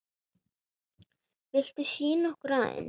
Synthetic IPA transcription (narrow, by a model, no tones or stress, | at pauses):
vɪl̥t̪ɪsiːnɔhkɾaːðɪ̰n